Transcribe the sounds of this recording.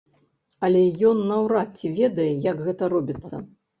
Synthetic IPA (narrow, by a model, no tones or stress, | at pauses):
ɐlʲɛjɔnːɐwɾat̪t͡sʲːivʲɛd̪ɐjɛjɐɡɣɛt̪ɐɾɔbʲit̪sːɐ̰